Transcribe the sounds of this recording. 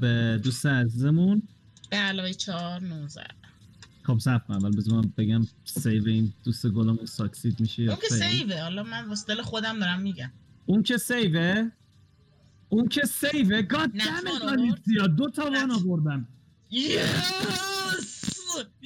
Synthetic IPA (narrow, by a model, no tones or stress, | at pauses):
bed̪ust̪eæzizemun | b̥eælɒːvejt͡ʃʰɒɾnozæ̰kobsæfævælbezunæmbe̞ɡæmsejveind̪ust̪eɡolɑmunsɒksid̪miʃejɒkesesejvehɒlɒmænvosd̪elexod̪æmd̪ɒɾæmːiɟæm | uŋcʰe̞sejve | uncʰe̞sejveɡɒæmeɡɒniːd̪̚sijɒːd̪ot̪ʰɒvɒnɒːvoɾd̪æn | je | s